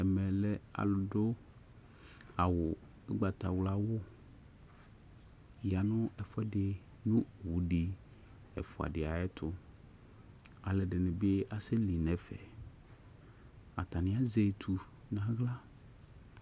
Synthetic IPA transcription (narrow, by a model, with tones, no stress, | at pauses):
ɛ˨mɛ̃˨lɛ˦a̰˨lʊ˨ɖʊ˦ | a˨wʊ˨ | ɛ˦ɡ͡ba˨t̪a˨wla˦wʊ˦ | ja˨nʊ̃˦ɛ˨fɛ˦ɖɪ˨ | nʊ̃˦wu˨ɖi˨ | ɛ̰˨fʊ˨a̰˨ɖɪ˨a˨ɛ˦t̪ʰʊ˦ | a˨lɛ˨ɖɪ˨nɪ̃˨be˦ʔa˨se˦li˨nɛ̃˨fɛ̰˨ | a̰˨t̪a˨nɪ̃˦a˦ze˦˨t̪ʰu˨ | nã˨ɣla˦